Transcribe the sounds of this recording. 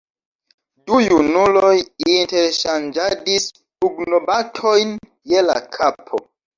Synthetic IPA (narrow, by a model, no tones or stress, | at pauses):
dujunulo̞jinteɾʃand͡ʒadis | puɡnobatʰo̞jn | jela̰kʰapʰo̰